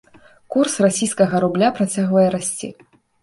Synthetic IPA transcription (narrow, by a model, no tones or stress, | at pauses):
kursrasʲijskɐɣɐɾublʲapɾat͡sʲaɣvɐjɛɾasʲt͡sʲḭ